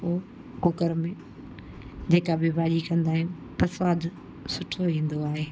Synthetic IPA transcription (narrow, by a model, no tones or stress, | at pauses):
o | kʊkəɾmẽ | d͡ʑeːkabɪbaːʄikɐ̃nd̪aːɦɪnɪ | pɐsaːd̪ | sʊʈʰoʋĩːn̆d̪oaːɦeː